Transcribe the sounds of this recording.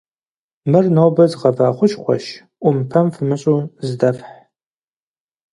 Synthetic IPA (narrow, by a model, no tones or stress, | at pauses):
mɨrnowbɐzqɐvaːχʷʊʃχʷɔ̰ʃ | ʔʷʊmpʰɐmfɨmɨɕʼuzɨdɐfħ